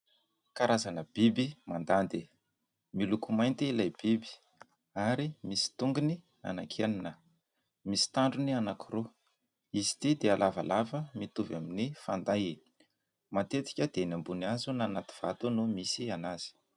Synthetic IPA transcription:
kaɾazanəb̥ibimand̪and̪i | milukumajnt̪iilajb̥ibi̥ | aɾimisi̥t̪uŋɡuni | a̰nakʰeninə | misi̥t̪aɳɖ͡ʐunianakʰuɾu | izi̥t̪id̪ealava̰lavəmit̪uvaminifand̪aj | mat̪et̪i̥kʲəd̪̥enambuniazunanat̪i̥v̥at̪unumisianaz̥i̥

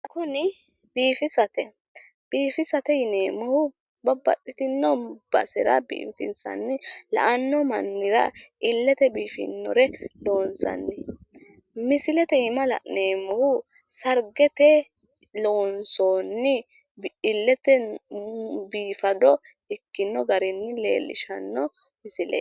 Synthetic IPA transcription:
ɐkʊnɪ | b̥iːfɪsɐt̪ɛ | b̥iːfɪsɐt̪ɛjɪneːmɐhʊ | bɐbɐ̰t̪ʼːɪt̪ɪnːɔb̥ɐ̰sɪɾɐ̰bɪ̰ʔmfɪ̰nsɐ̰nːɪlɐ̰ʔɐnːɔmɐ̰nːɪɾɐ̰ɪlːɛt̪ɛbiːfɪ̰nːɔ̰ɾɛlo̞ːnsɐ̰nːɪ | mɪsɪlɛt̪ɛɪmɐlɐ̰neːmɔhʊ | sɐɾɡɛt̪ɛ | loːnsoːnːɪ | bɪlːɛt̪ɛ | biːfɐd̪ɔ | ɛkːɪnːɔɡɐɾɪnːɪlḛːlːɪ̰ʃɐnːɔ | mɪsɪlɛ̰

